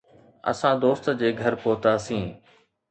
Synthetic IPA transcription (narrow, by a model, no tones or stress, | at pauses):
ə̰sãːd̪oːst̪d͡ʑeːɡʱəɾpoːt̪aːsĩː